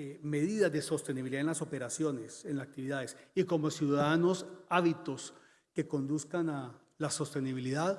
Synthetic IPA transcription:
me̞ðiðazd̪e̞so̞st̪e̞niβiliðaenlaso̞pe̞ɾasjo̞ne̞senlasak̚t̪iβiðaðesiko̞mo̞sjuðaaðano̞saβit̪o̞s | ke̞ko̞nd̪uskana | laso̞st̪e̞niβiliðað

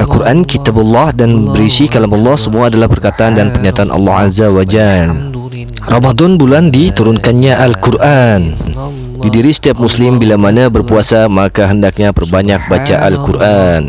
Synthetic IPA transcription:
alkuɾʔankit̪abulːɔhdanbəɾisikalamɔlːɔhsəmuaːdalahpərkat̪aʔandanpərɲat̪aanʔɑ̰lːɔhazawad͡ʒal | rɑmad̪ɔnbulandit̪uɾʊnkanɲaʔalkurʔan | didiɾisə̥t̪iap̚muslɪmbilamanabərpuasamakaɦəndak̚ɲabərbaɲak̚bat͡ʃaʔa̰lkurʔan

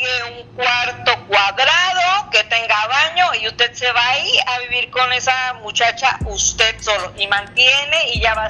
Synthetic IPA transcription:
ɣeuŋkwaɾt̪okwaðɾaðoket̪eŋɡaβaɲoiut̪eseβaiaβiβiɾkonesamut͡ʃat͡ʃa̰ust̪ed̪̚soloʔimãnt̪jeneiʎaβa

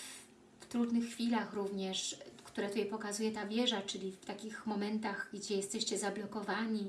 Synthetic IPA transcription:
ft̪ɾud̪nɘxːfʲilaxɾuvɲɛʂkt̪uɾɛt̪ujɛpɔkazujɛt̪avʲjɛʐat͡ʂɘlʲift̪akʲixmɔmɛnt̪aɣɡd͡ʑɛjɛst̪ɛɕt͡ɕɛzablɔkɔvaɲi

